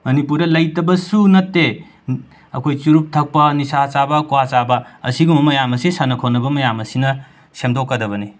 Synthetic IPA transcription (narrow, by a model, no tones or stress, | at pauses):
mɐnipuɾdɐlɐjtɐbɐsunɐtːe | ɐkʰojt͡ʃuɾup̚tʰɐk̚pɐnisat͡ʃabɐkuwat͡ʃabɐɐsiɡumɐmɐjamɐsesanɐkʰonɐbɐmɐjamɐsinɐ | semdokːɐdɐbɐni